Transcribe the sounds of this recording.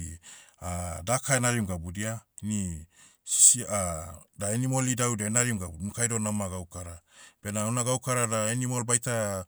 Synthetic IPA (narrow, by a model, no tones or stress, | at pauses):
adakaenaɾiuŋɡabudiani | si̥siadaenimo̞lidawdenaɾiuŋɡabumukajdo̞namaɡawkaɾab̥e̞naunaɡawkaɾadaenimolbajta